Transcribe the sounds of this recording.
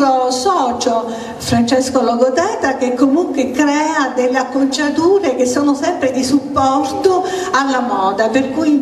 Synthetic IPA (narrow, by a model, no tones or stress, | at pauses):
ɾosɔːt͡ʃo | fɾant͡ʃɛskolɔɡot̪ɛːt̪ak̟ekːomuŋkwekɾɛːad̪elːeakːont͡ʃat̪uːɾek̟esːoːnʊsɛmpɾed̪isupːɔrt̪oalːamɔːd̪aperkuj